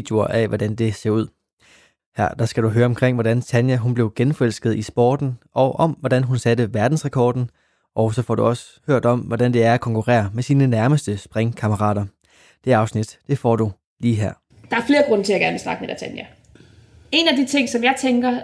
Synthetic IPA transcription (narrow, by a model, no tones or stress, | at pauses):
d̥jo̝ɐʔæʋɒdænd̥e̝se̝ɐuð̰ˠ | hæɐ̰d̥ɑ̈sɡ̥æɾuɦøːɐɒ̽mkʰʁeŋ̰ʋɒdænt͡sʰænjæɦunb̥le̝ʊɡ̥enfɒ̽el̰sɡ̥ð̞̩ˠisb̥ɒ̰ːd̥n̩ɒ̽ʊʔɒ̽mʋɒɾænɦunsædəʋæɐd̥n̩sʁakʰɒːd̥n̩ | ʔɒ̽ʊsɒ̽fɒ̰ːd̥uɒ̽sə̥ | høɐ̰d̥ɒ̽mʋɒdænd̥e̝æɐækʰɒ̽ŋkʰuʁɛ̰ːɐmesiːnənæɐməsd̥əsb̥ʁeŋkʰɑ̈məʁɑ̰̈ːɾ̥ɐ | d̥e̝ɑ̈ʊsnid̥d̥e̝fɒ̰ːd̥u | liːɦæɐ̰ | d̥ɑ̈æɐfle̝ːɐɡ̥ʁɔ̽n̰ət͡sʰe̝æɡ̥æɐnʋe̝lsnɑ̈ɡ̥əmed̥æt͡sʰænjæ | e̝næd̥it͡sʰe̝ŋ̰sɒ̽mjɑ̈ɪt͡sʰeŋɡ̥ɐ